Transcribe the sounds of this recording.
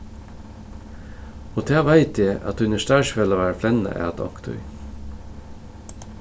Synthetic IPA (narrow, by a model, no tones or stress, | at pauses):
oːt̪ʰæːʋæɪt̪ʰjæɪʔɑ̰t̪ʉnəʃt̪æːʃʋɛloːʋæːɾəflɛnə̰ʔæ̰ːɑt̪ʰɑ̰kt̪ʰʉ̰ʏ